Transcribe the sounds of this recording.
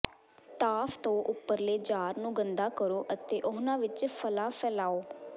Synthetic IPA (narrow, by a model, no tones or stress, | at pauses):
t̪aːfʰt̪õːʔʊpːəɾleːd͡ʒaːɾnũːɡənd̪aːkəɾoːʔət̪eːʔʊɦnãːʋɪt͡ʃpʰəlaːpʰɛːlaːoː